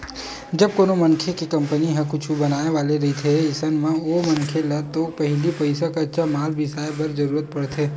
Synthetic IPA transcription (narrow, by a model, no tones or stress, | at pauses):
d͡ʒɐb̚koːnomɐnkʰekekɐ̃mpəniɦɛ̃kʊt͡ʃʰubɐnaːneʋaːleɾɐɦit̪ʰeɪsənmẽomɐnkʰelɐt̪opɐɦlipəɪsakatːʃʰamaːlbʱɪsaːjbɐɾd͡ʒɐɾuːɾət̪̚pɐɽt̪ɦeː